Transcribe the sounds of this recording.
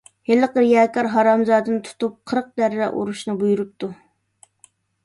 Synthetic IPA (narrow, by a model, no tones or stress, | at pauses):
helɨqəɾjɑːkɑɾɦɑɾɑmzɑːd̪ɨnɨt̪ʰu̥t̪up̚qʰəɾq̚d̪æɾːɛʔṵɾuʃnɨbujuɾup̚t̪u